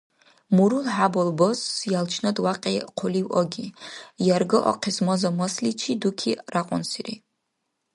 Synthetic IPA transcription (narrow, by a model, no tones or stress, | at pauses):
muɾulħabɔlˠbɔsjalt͡ʃʰnɔd̪waqʼiqʰɔliwɔɡijaɾɡɔʔɔ̰qʰɛsmɔzɔmɔslit͡ʃʰid̪ukʰiɾaqʼɔnsiɾḭ